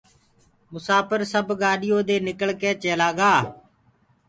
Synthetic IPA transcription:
mʊsaːpəɾsəbɡaːɗɪjoːd̪eːnɪkəɭkeːt͡ʃeːlaːɡaː

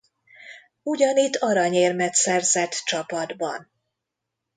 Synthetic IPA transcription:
uɟɒnit̪ːɒɾɒɲeːrmɛt̪sɛrzɛt̪ːt͡ʃɒpɒd̪bɒ̰n

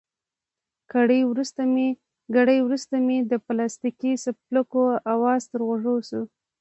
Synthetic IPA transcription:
kaɽəjwɾust̪ame | ɡaɽəjwɾust̪amed̪əplɑst̪ikisab̚ləkoawɑzt̪əɾɣoʐowsu

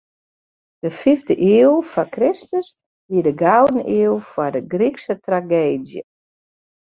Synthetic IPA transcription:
d̥əfivdəʔiəlˠfɔkrɪstəs | ʋiədəɡawdən̩ʔiəlˠfɔdəɡriksətraɡeːdjə̰

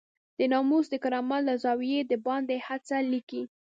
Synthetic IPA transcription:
d̪̥ənɑmusd̪əkaɾɑmalazɑwijed̪əbɑnd̪ehat͡saliki

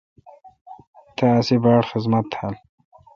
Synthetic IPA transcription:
t̪ʰɐːsibaːɽxɪzmɐt̪ːhɐl

